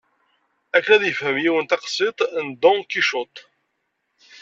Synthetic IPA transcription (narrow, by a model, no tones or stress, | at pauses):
ækːnæðjəfhəmjiwənt̪ɑqsˤɪt̪ˤnd̪ɔ̃kiʃʊt̪ˤ